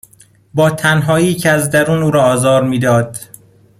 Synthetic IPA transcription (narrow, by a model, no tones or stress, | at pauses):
bɒːt̪ʰænɦɒːiːcʰeæzd̪æɾuːnuːɾɒːzɒːɾmiːd̪ɒːd̪̥